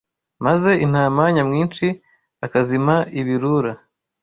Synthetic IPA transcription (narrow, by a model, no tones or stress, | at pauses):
maze̞ʔin̥hamaɲamŋiːnt͡ʃi | akazimaiβiɾuɾa